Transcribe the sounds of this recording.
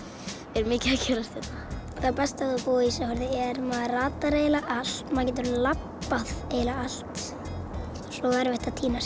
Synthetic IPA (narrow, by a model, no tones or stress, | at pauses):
ɛɾmɪːcɪacʰɛːɾast̪ɛt̪naθapɛst̪aukoːisahœɾðɪɛɾmaðraːt̪aɾeːjlaʔal̥t̪maːcɪnt̪ʏɾʏnlapːaðeːjlaal̥t̪ | sɔɛɾvɛht̪aðt̪ʰiːnas